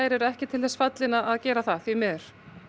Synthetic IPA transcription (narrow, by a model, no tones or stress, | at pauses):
jɾɛɾɛhcɪt̪ʰɪlðɛsfat̪lɪnaʔaðcɛːɾaθaθimɪðʏɾ̥